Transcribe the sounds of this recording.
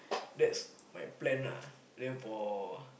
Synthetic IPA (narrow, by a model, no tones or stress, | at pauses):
dɛts | majplɛ̃nla̰ | dɛ̃nfɔ